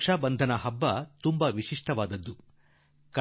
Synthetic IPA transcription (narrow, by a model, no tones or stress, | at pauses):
ʂaːbɐnd̪ʱɐnɐɦɐbːɐt̪umbɐʋiʂiʂʈɐʋaːd̪ɐd̪ːu | kɐ